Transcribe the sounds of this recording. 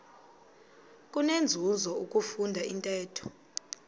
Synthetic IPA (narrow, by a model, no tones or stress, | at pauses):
kʼunend͡zʱuzɔuk̬ʼufundʱaintʼɛːtʰɔ̥